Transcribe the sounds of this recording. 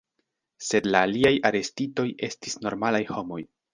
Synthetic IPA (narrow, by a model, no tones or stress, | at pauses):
se̞dlaːliajaɾe̞stito̞je̞stisno̞ɾmalajho̞mo̞j